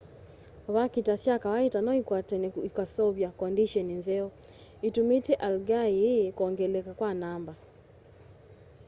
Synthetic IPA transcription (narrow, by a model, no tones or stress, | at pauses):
βakitasjakawaitanɔikaikasɔβjakɔndiʃɔninzɛɔ | itumitɛʔalɡaikɔŋɡɛlɛkakwanamba